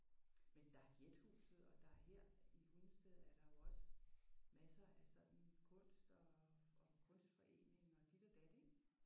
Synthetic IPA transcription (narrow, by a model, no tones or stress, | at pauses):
mend̥ɑ̈æɐɡ̥jed̥hṵːsð̩ˠɒ̽d̥ɑ̈æɐheɐ̰ihun̩sd̥eðˠæɐd̥ɑ̈jo̝ɒ̽səmæsɐæsɒ̽d̥n̩kʰɔ̽n̰sd̥ɒ̽ɒkʰɔ̽n̰sd̥fɒ̽ʔe̝̰ːne̝ŋɒ̽d̥id̥ɐd̥æd̥e